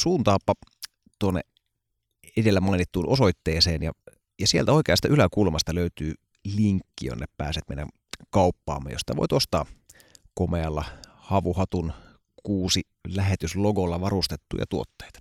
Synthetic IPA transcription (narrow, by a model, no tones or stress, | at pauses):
suːnt̪ɑːpːɑ | t̪uonːḛ | edelːæmɑˑinit̪ːuːnʔosoit̪ːeːseːnjɑ̰ | jɑsielt̪æo̞ˑikeɑst̪ɑʔylækulmɑst̪ɑløyt̪yː | liŋkːijo̰nːeppæ̰ːset̪mḛinæ̰n | kɑupːɑ̰ːmːḛjosit̪æʋo̰it̪ost̪ɑː | komeɑlːɑhɑʋuhɑt̪un | kuːsi | læɦet̪ysloɡolːɑʋɑrust̪et̪ːṵːjɑ̰t̪uot̪ːe̥jt̪